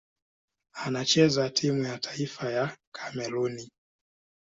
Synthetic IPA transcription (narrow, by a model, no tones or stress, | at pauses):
anat͡ʃɛzatʰimujatʰaifajakʰḁmɛɾuni